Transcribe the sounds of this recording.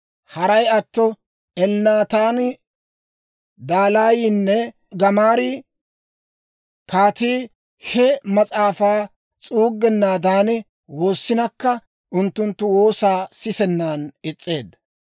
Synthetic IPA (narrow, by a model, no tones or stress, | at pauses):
hɐɾɐjɐt̪ːɔ | ɛlnaːt̪aːn | d̪aːlaːjiːnːɛ | ɡɐmaːɾɪ | kaːt̪iː | hɛmɐt͡sʼaːfaː | t͡sʼuːɡːɛnːaːd̪aːnɪ | wo̞ːsːɪnɐkːɐ | ʔʊnt̪ːʊnt̪ːʊwo̞ːsaːsɪsɛnːaːnɪt͡sʼːe̞ːd̪